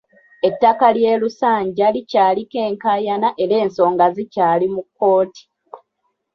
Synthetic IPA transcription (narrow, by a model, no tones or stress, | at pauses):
e̞tːakalje̞ːlusaːɲɟalicaːlike̞ːŋkaːjanaʔeɾe̞ːnso̞ːŋɡazicaːlimukːo̞ːti̥